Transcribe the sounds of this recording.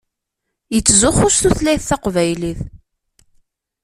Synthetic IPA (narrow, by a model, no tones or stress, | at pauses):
jət͡sːzʊχʊsθuθlæjθθɑqvæjliθ